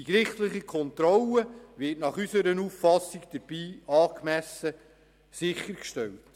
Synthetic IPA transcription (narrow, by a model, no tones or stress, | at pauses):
d̥ikɾɪχtlɪχikʰɔnt̪ɾɔləʋɪtnɑχysəɾənuːffɑsːikd̥əɾb̥iːɑːkmæsə | sɪχːəɾkʃtɛlt